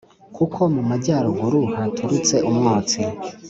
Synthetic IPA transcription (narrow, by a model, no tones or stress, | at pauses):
kʰukʰo̞mumaɟaːɾuɡuɾuhatʰuɾut͡se̞ʔumŋaːt͡si